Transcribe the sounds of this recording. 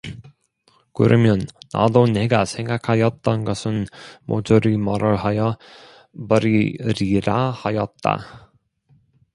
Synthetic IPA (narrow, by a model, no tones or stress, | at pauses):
kɯ̰ɾʌmjʌnːa̰done̞ɡasʰe̞ŋɡakʰajʌt̚t͈ʌnɡʌsʰɯnmo̰d͡ʑuɾimʌɾɯɭɦajʌ | bʌɾiɾiɾahajʌt̚t͈a̰